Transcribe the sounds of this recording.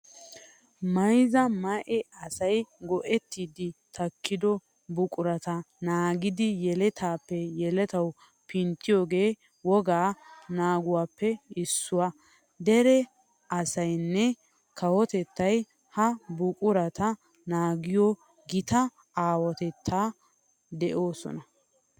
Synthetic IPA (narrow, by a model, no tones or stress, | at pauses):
mɐjzɐmɐʔɛɐsɐjɡɔʔɛt̪ːiːd̪ɪt̪ʰɐkːɪd̪ɔ | bʊkʼʊɾɐt̪ɐnaːɡɪd̪ɪjɛlɛt̪ʰaːpːɛjɛlɛt̪ɐw | pʰɪnt̪ːɪjo̞ːɡeː | wɔɡaːnaːɡʊwaːpːɛɪsːʊwa | d̪ɛɾɛ | ɐsɐjnːɛ | kʰɐwɔt̪ɛt̪ːɐj | hɐbʊkʼʊɾɐt̪ɐ | naːɡɪjɔ | ɡɪt̪ɐ | aːwɔt̪ɛt̪ʰːaː | d̪ɛʔo̞ːsɔ̰nɐ